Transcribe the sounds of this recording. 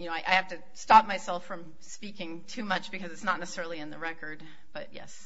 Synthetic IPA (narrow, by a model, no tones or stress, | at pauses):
jɨnoʊaɪʔa̰ɪhæftɨ | stɑp̚maɪsɛlˠfɹʌ̃m | spikɪ̃ŋtʰʉmʌt͡ʃb̥ɨkʰʌzɨtsnətⁿnɛsəsɛɹl̩ˠiɨ̃nðɨɹɛkə˞d̚ | b̥ʌt̚jɛ̰s